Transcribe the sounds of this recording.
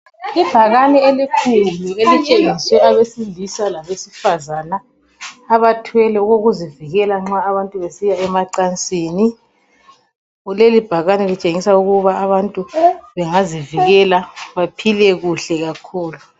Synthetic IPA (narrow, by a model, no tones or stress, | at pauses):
ib̥ʱaɣanɛelikʰulluelit͡ʃʼeŋiswɛaβesilisalaβesifazanaː | βatʰwɛlɛuɣoɣuziviɣɛlaŋ͡ǁaːβantʼuβesijaɛmaǀant͡sʼiːni | ulelib̥ʱaɣanɛlit͡ʃʼeŋisauɣuβaːβantʼuβɛŋaziviiɣɛlaβapʰilɛɣuɬɛɣakʰuːlu